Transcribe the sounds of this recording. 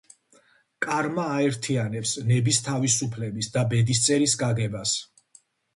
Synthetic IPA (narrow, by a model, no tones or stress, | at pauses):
kʼaɾmaːɛɾt̪ʰianɛpsnɛbist̪ʰavisupʰlɛbisd̪abɛd̪ist̪sʼɛɾisɡaɡɛbas